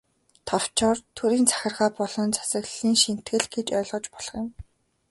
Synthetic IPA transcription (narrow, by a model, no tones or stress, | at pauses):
t̪ʰɔw̥t͡ɕɔːrt̪ʰuɾiːnt͡sʰḁxʲɪ̆rʁaːpɔɮɞ̆nt͡sʰḁsə̆ɣɮiːŋʃin̥t̪ɡɘ̆ɮɡet͡ɕœːɮʁɞ̆t͡ɕpɔɮ̥ɞ̆χjɪ̆m